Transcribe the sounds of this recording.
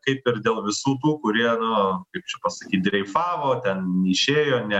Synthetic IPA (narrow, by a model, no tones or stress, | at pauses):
kɐɪpɪrd̪ʲeːlˠʋʲɪsuːt̪̬uːkʊɾʲiɛnʊkɐɪp̚t͡ʃʲɛpɐsɐkʲiːt̪̚ʲd̪ʲɾʲɛɪfɑːʋoːt̪ʲɛnɪʃʲeːjoːnʲɛ